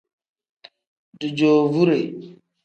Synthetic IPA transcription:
du˨d͡ʒo˨vu˦ɾe˨

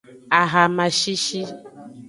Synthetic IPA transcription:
a˨ɣa˨mã˨ʃi˦ʃi˦

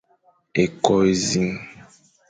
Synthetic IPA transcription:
e˨kɔ˦e˨zi˦ŋ

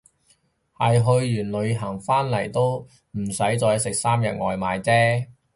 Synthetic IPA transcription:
hɐ˨jɦɵ˧ɥːyː˨˩nlɵ˨˧ɥɦɐ˨˩ŋfaː˥nlɐ˨˩jt̪o˥w | m̩˨˩sɐ˨˥jt͡sɔː˧jɐ˥sɪ˨k̚saː˥mjɐ˨t̚ŋɔː˨jmaː˨˧jt͡sɛː˥

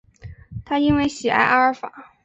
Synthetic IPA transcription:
t̪ʰa˥i˥nwe˥ɪɕi˨˩ʔa̰˥˩ɪʔa˥fa̰˨˩˦

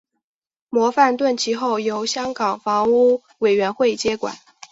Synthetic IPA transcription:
mwɔ˧˥fa˥˧nt̪wə˥˩nt͡ɕʰi˧˥xo˥˩ʊjo˧˥ʊɕjɑ˥ŋkɑ˨˩ŋfɑ˧˥ŋu˥ | we˨˩ɪɥɛ˧˥nxwe˥˩ɪt͡ɕjɛ˥kwa̰˨˩˦n

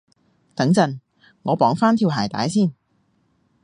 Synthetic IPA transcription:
t̪ɐ˨˥ŋt͡sɐ˨˩n | ŋɔː˨˧pɔː˨˥ŋfaː˥nt̪ʰiː˧whaː˨˩jt̪a̰ː˨˥jsiː˥˩n

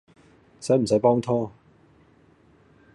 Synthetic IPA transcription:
sɐ˨˥jm̩˨˩sɐ˨˥jpɔː˥ŋt̪ʰɔː˥

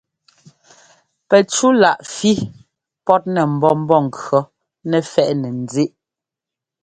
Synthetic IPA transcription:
pɛ˨t͡ʃu˦la˨ʔfi˦ | pɔ˦t̚nɛ˨m̩˨bɔ˦m̩˦bɔ˦˨ŋ̩˨kɰɔ˨˦ | nɛ˨fɛ˦ʔnɛ˨n˨d͡ze˦˨ʔ

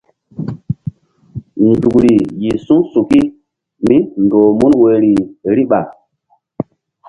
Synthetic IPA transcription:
ndu˨kɾi˨ji˨sũ˦su˨ki˦ | mi˦ndoː˨mu˦nwe˨ɾi˨ɾi˦ɓa˨

